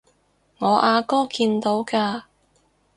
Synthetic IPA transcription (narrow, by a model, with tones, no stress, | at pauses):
ŋɔː˨˧ʔaː˧kɔː˥kiː˧nt̪o˨˥wkaː˧